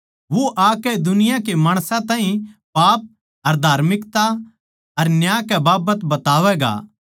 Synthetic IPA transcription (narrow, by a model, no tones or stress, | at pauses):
ʋoʔaːkɛd̪ʊnɪjãkemaːɽ̃sãt̪ãːɦĩpaːp̚ | ɐɾd̪ʱaːɾmɪkt̪a | ɐɾnjaːkɛbaːbət̪bɐt̪aːʋɛɡa̰ː